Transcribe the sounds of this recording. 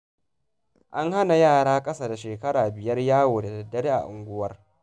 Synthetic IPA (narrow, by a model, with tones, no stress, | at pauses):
ʔa˦ŋha˦na˨jaː˦˨ɽaː˦kʼɐ˦sa˨da˨ʃeː˨kɐ˦ɽaː˨bɪ˨jɐ˦rjaː˦woː˨da˨dɐ˨dːɐ˦ɽe˦ʔa̰˨ʔʊ˨ŋɡʷʊ˦wɐ˦r